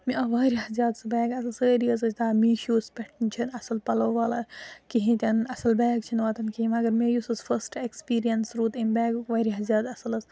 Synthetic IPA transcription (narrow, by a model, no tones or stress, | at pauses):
miʔɐʋaːɾiɦɐzʲaːd̪sɐbɛːɡɐsɐlsəːɾiɐzɐd͡ʒʰʲt̪aːmiːʃoːspʲɛʈʰnt͡ʃʰinɐsɐlpɐlɐwʋaːlakiɦĩt̪ʲɐnɐsɐlbɛːɡt͡ʃʰinʋaːt̪ɐnkiɦimɐɡɐɾmejusɐsfʰɐsʈekspiːɾijɐnsɾut̪imbɛːɡukʋaːɾiɦɐzjaːd̪ɐsɐlɐs